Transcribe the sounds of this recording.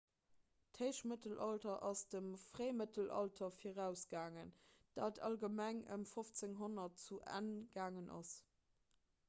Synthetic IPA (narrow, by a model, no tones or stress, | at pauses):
theɪʃmətəlʔɑltɐʔɑsd̥əmfʁeɪmətəlʔɑ̰ltʰɐfiʁæʊsɡ̥aːŋənd̥aːtʰɑ̰lɡəmæŋə̰mfoft͡seŋɦonɐtt͡suʔæ̰nɡ̥aːŋənʔɑ̰s